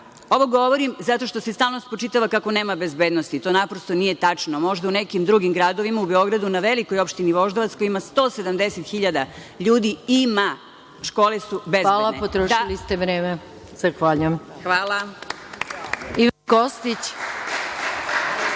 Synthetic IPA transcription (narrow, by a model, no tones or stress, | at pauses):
o̞ʋo̞ɡo̞ʋo̞ɾimzat̪o̞ʃt̪o̞sest̪aːlnost̪pɾot͡ʃit̪aʋakako̞neːmabe̞zbeːd̪nost̪it̪o̞ːnapɾost̪onije̞t̪at͡ʂnomo̞ʒd̪aunekimd̪ɾuɡimɡɾaːd̪oʋimaubeo̞ɡɾad̪unaʋeliko̞jopʃt̪iniʋo̞ʒd̪oʋat̪skojimast̪o̞ːsed̪amd̪eset̪xiʎad̪aʎuːd̪iima | ʃko̞ːlesubezalapot̪ɾoailist̪eʋɾeːme | z̥axʋaːʎujemxʋaːla | iʋankost̪it͡ɕ